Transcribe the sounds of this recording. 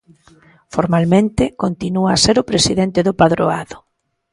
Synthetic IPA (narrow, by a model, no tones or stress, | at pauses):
foɾmalmẽnt̪ɪkont̪inuaːseɾʊpɾesiðent̪ɪðʊpaðɾoaðʊ